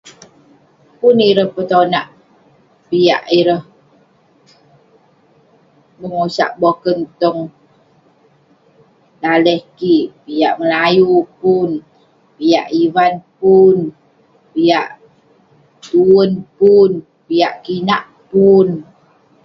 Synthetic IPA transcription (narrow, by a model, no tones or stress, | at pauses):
puniɾəhpət̪onaʔ | pija̰ʔiɾəh | bəŋosa̰ʔbokənt̪ɔŋ | laləhkiʔpijaʔməlajupun | pija̰ʔiwanpun | pijaʔ | t̪uənpun | pijaʔkinaʔ | pun